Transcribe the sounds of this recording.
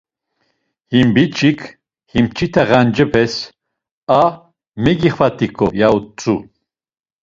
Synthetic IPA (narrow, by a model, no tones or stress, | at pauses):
himbit͡ʃʰʼikʰ | himt͡ʃʰit̪ʰaʁand͡ʒɛpʰɛs | a | mɛɡiχvat̪ʰikʰɔ̰jaut͡sʰʼu